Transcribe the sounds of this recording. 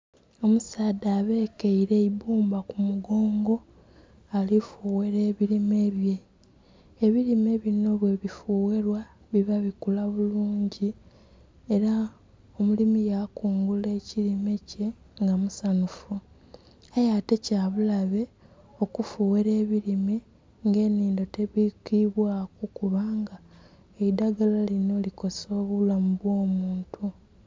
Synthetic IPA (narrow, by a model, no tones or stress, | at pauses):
o̞musaːdaːβe̞ːkeiɾe̞ibuːmbakumuɡo̞ːŋɡo̞ | alifuːweɾe̞ːβiɾime̞ːβje̞ː | βiɾime̞βino̞βwe̞βifuːwe̞ɾwa | βiβaβikulaβuluːɲɟi | eɾa | omulimijakuːŋɡule̞ːciɾime̞ce̞ | ŋɡamusanufu | ajate̞caβulaβe̞ | o̞kufuːweɾe̞ːβiɾime̞ | ŋɡe̞ːniːndo̞te̞βikiβwaːkukuβaːŋɡa | eidaɡalalino̞liko̞so̞ːβulamuβwo̞ːmuːntʰu